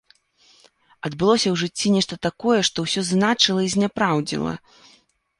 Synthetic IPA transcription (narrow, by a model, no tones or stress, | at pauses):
ɐd̪bɨlˠɔsʲɐwʐɨt͡sʲːinʲɛʂt̪ɐt̪akɔjɛʂt̪ɔwsʲɔznat͡ʂɨlˠɐizʲnʲapɾawd͡zʲḭlˠɐ̰